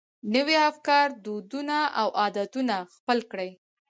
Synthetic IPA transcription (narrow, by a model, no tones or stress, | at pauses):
nəweafkɑɾd̪od̪unaʔawʔɑd̪at̪unaxpəlkɽəj